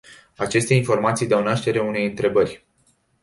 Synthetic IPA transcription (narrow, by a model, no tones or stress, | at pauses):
at͡ʃe̞st̪e̞info̞rmat̪sijd̪eawnaʃt̪e̞ɾeune̞jɨnt̪ɾe̞bərʲ